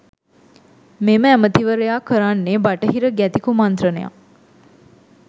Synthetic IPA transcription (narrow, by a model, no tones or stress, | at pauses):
meməæmət̪iʋəɾejaːkəɾanːebaʈəɦiɾəɡæt̪ikumant̪rəneja̰